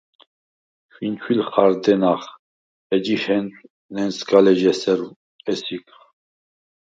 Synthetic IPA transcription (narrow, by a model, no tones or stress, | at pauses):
fint͡ʃʰwilχaɾd̪ɛnaχ | ɛd͡ʒihɛnt̪ʼ | nɛnsɡalɛʒɛsɛɾu | ɛsik